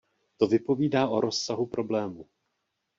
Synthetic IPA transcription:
t̪o̞vɪpo̞viːdaːʔo̞ɾo̞sːaɦupɾo̞blɛːmu

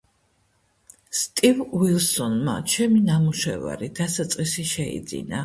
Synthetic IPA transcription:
st̪ʼivwilˠsɔnma̰t͡ʃʰɛminamuʃɛva̰ɾid̪̥asat̪sʼqʼisiʃɛḭd̪zḭna

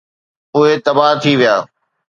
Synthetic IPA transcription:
ʊɦet̪ɐbaːɦt̪ʰiʋijaː

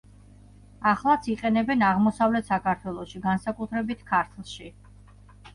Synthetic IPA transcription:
aχlˠat̪sʰiqʼɛnɛbɛnaʁmɔsavlɛt̪ʰsakʰaɾt̪ʰwɛlˠɔʃiɡansakʼut̪ʰɾɛbit̪ʰkʰaɾt̪ʰlˠʃi

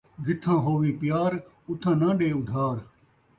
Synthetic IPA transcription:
d͡ʒɪt̪ʰːãːɦoːʋĩːpɪjaːɾ | ʊt̪ʰːãːnãːɗeːʊd̪ʱaːɾ

